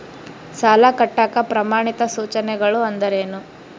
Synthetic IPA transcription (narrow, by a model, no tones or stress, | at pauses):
saːlɐkɐʈːaːkɐpɾɐmaːɳit̪ɐsuːt͡ʃɐnɛɡɐɭuɐnd̪ɐɾeːnu